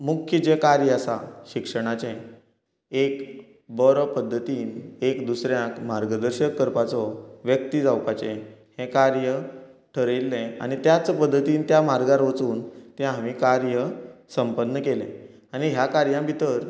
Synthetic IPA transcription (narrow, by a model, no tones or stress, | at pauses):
mukʰjət͡ɕekaɾjəasa̰ɕikʂəɽ̃at͡ɕɛ̃ | ek | bəɾpəd̪ʱːət̪iːnekd̪usɾjãkmaɾɡəd̪əɾɕəkːəɾpat͡sɔʋjək̚t̪id͡zawpat͡ɕɛ̃hẽkaɾjə | ʈʰəɾelːɛ̃a̰ñit̪jat͡spəd̪ʱːət̪iːnt̪jamaɾɡaɾʋət͡suːnt̪jãɦaʋikaɾjəsəmpənːəkelɛ̃ | aɽ̃iɦjakaɾjãbʱit̪əɾ